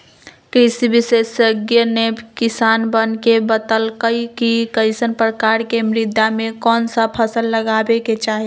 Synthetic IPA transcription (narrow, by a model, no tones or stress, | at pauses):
kɾɪsibɪsesəɡjənebkɪsaːnbənkebət̪əlkəikikəɪsənpɾəkaːɾkemɾɪd̪ʱjamẽkɔːnsapʰəsəlːəɡaːbeket͡ʃaːɦie